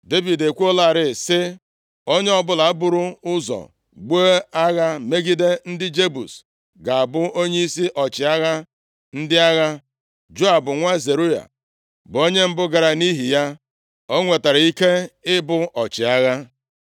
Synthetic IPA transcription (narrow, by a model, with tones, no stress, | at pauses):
de˦vi˨de˨kʷu˦o˦la˦˨ɾɪ˦˨sɪ˦ | o˦ɲe˦ɔ˦bʊ˦la˨a˦bʊ˦ɾʊ˦ʊ˦zɔ̰˨ | ɡ͡bo˦a˦ɣa˦me˦ɡi˦de˦n̩˦dɪ˦d͡ʒe˦bṵ˨s | ɡa˨a˨bʊ˦o˦ɲe˦i˦si˦ʔɔ˨t͡ʃɪ˨a˦ɣa˦ | n̩˦dɪ˦a˦ɣa˦ | d͡ʒo˦a˨bʊ˨ŋʷa˦ze˨ɾu˦ja̰˨ | bʊ˨o˦ɲe˦m̩˦bʊ˦ɡa˨ɾa˨ni˦ɦi˨ja˦ | o˦ŋʷe˨ta˨ɾa˨i˦ke˦ɪ˦bʊ˦ʔɔ˨t͡ʃɪ˨a˦ɣa˦